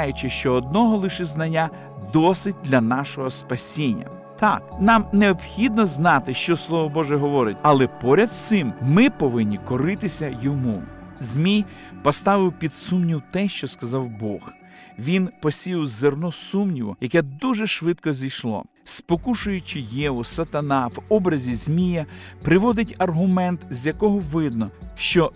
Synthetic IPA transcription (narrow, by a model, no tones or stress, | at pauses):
jʊt͡ʃɪʃt͡ʃɔːd̪nɔɦɔlˠɪʃɪznɐnʲːa | d̪ɔsɪt̚ʲd̪lʲɐnɑʃɔɦɔspɐsʲinʲːɐ̰ | t̪ɑk̚nɑmneɔbxʲid̪nɔznɑt̪ɪʃt͡ʃɔslˠɔʋɔbɔʒɛɦɔʋɔɾɪtʲɐlˠɛpɔɾʲɐd̪t̪sɪmmɪpɔʋɪnʲːikɔɾɪt̪ɪsʲɐjɔmuzʲmʲijpɔst̪ɑʋɪwpʲid̪sumnʲiwt̪ɛʃt͡ʃɔskɐzɑwbɔx | ʋʲinpɔsʲijwzernɔsumnʲiʋɔ̰jɐkɛd̪uʒɛʃʋɪt̪̚kɔzʲijʃlˠɔ̰ | spɔkuʃʊjʊt͡ʃɪjɛʋɔsɐt̪ɐnɑʋɔbɾɐzʲizʲmʲijɐpɾɪʋɔd̪ɪtʲɐrɦʊmɛnt̪zʲjɐkɔɦɔʋɪd̪̚nɔʃt͡ʃɔ